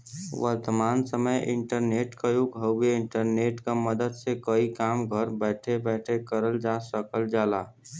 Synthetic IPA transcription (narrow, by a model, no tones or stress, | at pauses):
ʋə̰ɾt̪əmaːnsəməjɪ̰̃ɳʈəɾneːʈkajoɡʱɦəeɪ̃ɳʈəɾneːʈkaməd̪əd̪sekəikaːmɡʱəɾbɛːʈʰebɛːʈʰekəɾəld͡ʒaːsəkəld͡ʒaːlaː